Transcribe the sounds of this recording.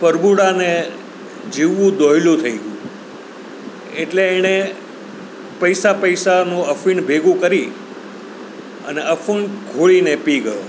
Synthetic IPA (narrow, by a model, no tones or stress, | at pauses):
pəɾbuɽane | d͡ʒiʋːũd̪oɦilũt̪ʰəiɡjṵ̃ | eʈleːne | pəjsapəjsanũəfiɳbʱeɡũkəɾi | ə̰neəfʰuɳkʰoɭinepiɡəjo